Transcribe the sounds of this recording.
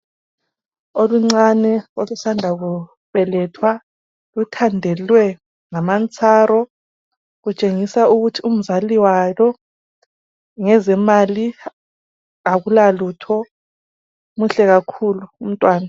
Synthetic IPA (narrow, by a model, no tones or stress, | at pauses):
oluŋ͡ǀanɛolusandʱaɣu | βɛlɛtʰwa | lutʰandʱɛlwɛ | ŋamant͡sʰʼaːɾɔ | ɣut͡ʃʼeŋisauɣutʰium̩zaliwalɔ | ŋɛzɛmali | aɣulalutʰɔ | muɬɛɣakʰuluːm̩tʼwaːna